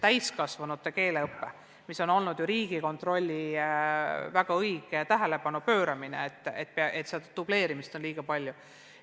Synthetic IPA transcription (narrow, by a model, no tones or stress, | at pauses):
t̪æjskɑsvɑnut̪ːˑe̞ke̞ːleɤpːe̞ | miso̞no̞lnud̪juɾiːɡ̥iko̞nt̪ro̞lʲːi | væɡ̥ɑɤjɡ̥et̪æɦe̞le̞pɑnupø̞ːɾɑminḛet̪ːˑḛt̪̚ːˑpeʔet̪seɑd̪ɑt̪ub̥le̞ːɾimist̪o̞nliːɡ̥ɑpɑlʲju